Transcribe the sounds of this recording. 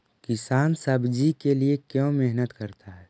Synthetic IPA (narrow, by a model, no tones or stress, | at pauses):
kɪsaːnsɐbd͡ʒikeliekjõːmɛɦnət̪kɐɾt̪ʰaɦɛː